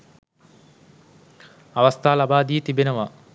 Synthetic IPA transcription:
aʋast̪ʰaːlabaːd̪ijət̪ibenəʋa

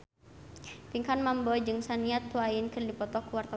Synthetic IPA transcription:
piŋkanmambɔd͡ʒɨŋsaniat̪ːuaɪnkɨrdipɔt̪ɔkuwart̪a

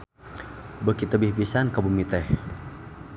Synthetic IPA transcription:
bəkit̪əbihpisankabumit̪ɛh

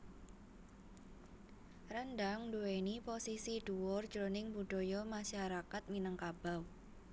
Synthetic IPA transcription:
rənɖaŋduweniposisiɖ̥uwɔrd͡ʒɾonɪŋbuɖ̥ojɔmaʃaɾakat̪̚minəŋkab̥aw

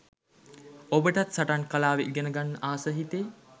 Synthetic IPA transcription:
obəʈat̪saʈankalaːʋeɡenəɡanːəʔaːsəɦit̪eː

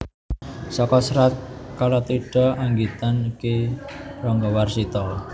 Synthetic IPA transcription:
sɔkɔsɾat̪̚kalɔt̪iɖ̥ɔ̤ʔaŋɡit̪anikerɔŋɡɔwarsit̪ɔ

